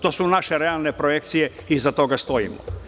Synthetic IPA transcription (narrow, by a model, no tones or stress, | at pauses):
t̪o̞ːsunaʃeɾealˠnepɾojek̚t̪sijeizat̪o̞ɡast̪o̞ḭmo̰